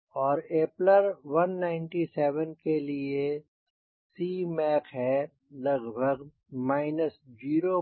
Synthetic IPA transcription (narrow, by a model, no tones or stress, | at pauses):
ɔːɾeːpləɾʋɐnːaːɪ̃nʈisɛːʋənkelie | siːmɛːkɦɛ | lɐɡbʱəɡ | maːɪnəsd͡ʒiːɾo